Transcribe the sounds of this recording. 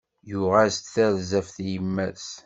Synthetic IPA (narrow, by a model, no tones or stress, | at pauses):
jʊʁæst̪θæɾzæfθjəmːæs